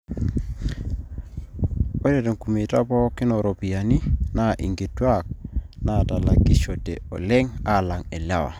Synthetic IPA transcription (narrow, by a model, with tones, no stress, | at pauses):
o˦de˨te˨ŋku˨me˨ta˦pɔ˦ki˦nɔ˨ɾo˨pi˨a˨ni˦na˦˨ʔḭ˨ŋɡe˨twa˦k̚ | na˦ta˨la˨ɡi˦ʃɔ˨tḛ˨ɔ̰˨lɛ˦ŋa˦˨la˨ŋe˨lja˦wa̰˨